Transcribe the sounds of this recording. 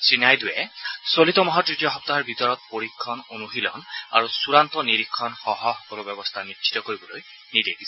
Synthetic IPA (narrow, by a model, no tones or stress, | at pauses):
sinajdujɛsolit̪ɔmɔɦatɹitjɔɦɔp̚t̪aaɹbit̪ɔɹɔt̪̚poɹikʰːɔnonuɦilɔ̰na̰ɹusuɹant̪ɔniɹikʰːɔnxɔɦɔxɔ̥kɔlɔbɛbɔst̪ʰanit͡ʃʰi̥t̪ɔkoɹibɔloj | nid̪edis